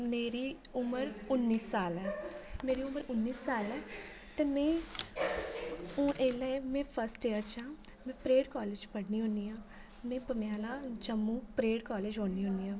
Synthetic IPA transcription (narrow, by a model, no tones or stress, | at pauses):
meːɾiː | ʊməɾʊnːiːsaːlɛːmeːɾiːʊməɾʊnːiːsaːlɛː | t̪eːmɛ̃ː | ũːʔeːlɛːmɛ̃ːpʰəɾsʈeːəɾt͡ʃãː | mɛ̃ːpɾeːɖkɔːleːd͡ʒpəɽniːɦõːniːãː | mɛ̃ːpəmɪjaːlaːd͡ʒəmːũːpɾeːɖkɔːleːd͡ʒɦoːniːɦõːniːãː